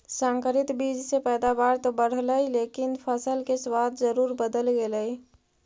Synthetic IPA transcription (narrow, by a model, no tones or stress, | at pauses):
sãŋkəɾɪt̪bid͡ʒsepɛd̪abaɾt̪obəɽ̤ləjlekɪnpʰəsəlkeswad̪d͡ʒəɾuːɾbəd̪əlɡeləj